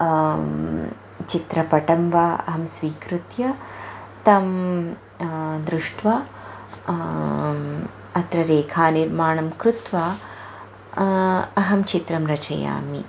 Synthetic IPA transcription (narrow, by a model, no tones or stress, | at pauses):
t͡ʃit̪ɾɐpɐʈɐmʋaːɐ̰ɦɐmsʋiːkɾut̪jɐt̪ɐm | d̪ɾuʂʈʰʋa | ɐt̪ɾɐɾeːkʰaːniɾmaːɳɐmkɾut̪ʋaː | ɐɦɐmt͡ʃit̪ɾɐmɾɐt͡ʃɐ̰ja̰ːmḭ